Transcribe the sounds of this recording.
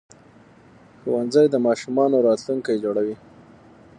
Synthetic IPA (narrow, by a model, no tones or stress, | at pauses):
xowanzajd̪əmɑʃumɑnoɾɑt̪luŋkajed͡ʒoɽawi